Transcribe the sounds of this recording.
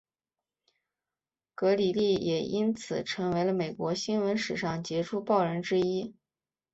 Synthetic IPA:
kɤ˧˥li˨˩li˥˩jɛ˨˩i˥nt͡sʰɹ̩˨˩ʈ͡ʂʰɤ˧˥ŋwe˧˥ɪlə˧me˨˩ɪkwɔ˧˥ɕi˥nwə˧˥nʂɻ̩˨˩ʂɑ˥˩ŋt͡ɕjɛ˧˥ʈ͡ʂʰu˥pɑ˥˩ʊɻə˧˥nʈ͡ʂɻ̩˥i˥

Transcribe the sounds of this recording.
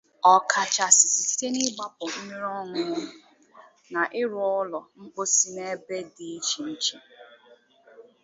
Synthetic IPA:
ɔ˨kʰa˨t͡ʃa˨sɪ˨si˨ste˦nɪ˦ɡ͡ba˦pʊ˨n̩˦mi˦ɾɔ˦ŋʷʊ˦ʊ˨˦˨ | na˨ʔɪ˦ɾʊ˨˦ɔ˦lɔ˨ŋ͡m̩˦k͡po˦si˦ne˦be˦di˨i˦t͡ʃi˨n̩˦t͡ʃi˦

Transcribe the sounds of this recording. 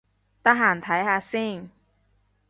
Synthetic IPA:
t̪ɐ˥k̚ɦaː˨˩nt̪ʰɐ˨˥jɦaː˧siː˥˩n

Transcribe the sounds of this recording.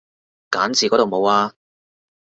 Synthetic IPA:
kaː˨˥nt͡siː˨˧kɔː˨˥t̪o˨wmo˨˧waː˧

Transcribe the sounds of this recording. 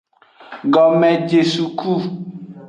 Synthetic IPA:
ɡɔ˨mɛ̃˨d͡ʒe˨su˨ku˦˨

